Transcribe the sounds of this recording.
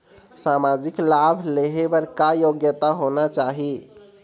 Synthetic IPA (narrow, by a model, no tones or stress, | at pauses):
samad͡ʒiklabʱleɦebəɾkajoɡjət̪aɦonat͡ʃaɦi